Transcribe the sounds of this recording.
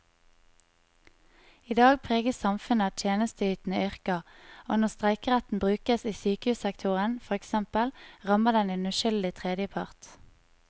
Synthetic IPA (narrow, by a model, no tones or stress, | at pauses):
iːd̪ɑːɡpʰʁeːɡəssɑmfʉnəɑt̪ʰjeːnəst̪əyːt̪n̩əʏʁkɑoːnɔʁst̪ʁæɪkəʁɛt̪n̩bʁʉːkəsiːsyːkəhʉːsɛkt̪ʰʊʁənfɔʁɛksɛmpəlʁɑməʁd̪ɛnʉnʉʃʏld̪ɪt̪ʰʁeːd̪jəpʰɑʁt̪